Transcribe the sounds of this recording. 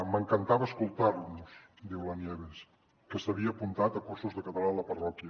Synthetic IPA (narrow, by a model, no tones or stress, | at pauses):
məŋkənt̪aβəskulˠt̪aɾnus | d̪iwlənjɛβes | kəsəβiəːpunt̪at̪əkuɾsuzðəkət̪əlaələpɐrɔkjə